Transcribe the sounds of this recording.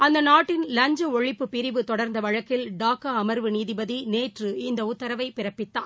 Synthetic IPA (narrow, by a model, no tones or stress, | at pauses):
ɐnd̪ɐnaːʈːɪnlɐɲd͡ʒɐɔɻɪpːɯpːɪɾɪʋɯt̪ɔɽɐɾnd̪ɐʋɐɻɐkːɪlɖaːkːaɐmɐɾʋɯniːðɪbɐðineːʈrɯɪnd̪ɐʊt̪ːɐɾɐʋɐɪpɪɾɐpːɪt̪ːaː